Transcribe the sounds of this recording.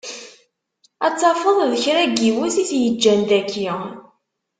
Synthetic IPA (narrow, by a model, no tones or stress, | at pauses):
æt͡sːɑfəðˤðəçɾæɡiwæθiθjəd͡ʒːænd̪ækːi